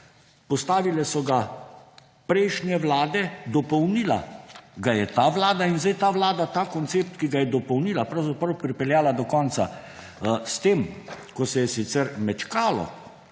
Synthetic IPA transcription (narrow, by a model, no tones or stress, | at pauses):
pɔst̪aːʋilɛsɔɡa | pɾɛjʃnjɛʋlaːd̪ɛd̪ɔpɔwnila̰ɡajɛt̪aːʋlaːd̪ainzd̪ɛjt̪aːʋlaːd̪at̪aːkɔnt̪seːp̚t̪kiɡajɛd̪ɔpɔwnilapɾawzapɾɐwpɾipɛljaːlad̪ɔkɔnt̪sa | st̪eːm | kɔsɛjɛsit̪sɛɾmɛt͡ʃkaːlɔ̰